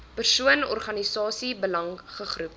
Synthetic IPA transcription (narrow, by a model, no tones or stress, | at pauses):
pərsuənɔ̰rχɐnisɑːsibəlɐŋχəχrup̚